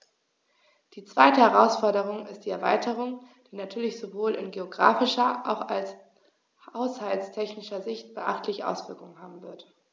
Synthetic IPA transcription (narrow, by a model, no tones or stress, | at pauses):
d̥iːt͡sv̥aɪtəhɛʁaʊsfɔɐdəʁ̞ʊŋɪstd̥iːɛɐva̰ɪtʰəʁ̞ʊŋd̥iːnatʰyːɐlɪçz̥ovoːlɪ̰nɡeoɡʁa̰ːfɪʃɐʔa̰ʊxals | haʊshaltstʰɛçnɪʃɐzɪçt̚b̥əʔa̰χtʰlɪçəʔa̰ʊsv̥ɪɐkʊŋənɦaːbm̩vɪɐt